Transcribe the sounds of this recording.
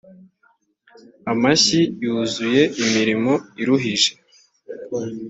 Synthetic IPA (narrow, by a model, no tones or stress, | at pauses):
amaçijuːzuje̞imiɾimo̞iɾuɦiʒe̞̥